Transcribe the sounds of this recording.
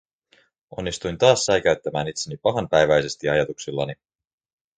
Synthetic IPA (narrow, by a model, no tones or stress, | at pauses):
o̞̰nːist̪ujnt̪ɑːsːɑjkæɥt̪ːæmæːnit̪senipɑɦɑnpæjʋæjse̞st̪iɑjɑt̪uksilːɑ̰ni